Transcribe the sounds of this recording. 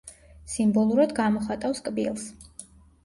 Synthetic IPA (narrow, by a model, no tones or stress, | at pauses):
simbɔlˠuɾad̪ɡamɔχat̪ʼafskʼbḭlˠs